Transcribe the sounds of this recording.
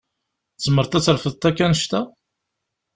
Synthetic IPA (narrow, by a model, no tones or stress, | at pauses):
t͡sːəmːəɾt̪æt͡sːəɾfəðt̪ækːænəʃt̪æ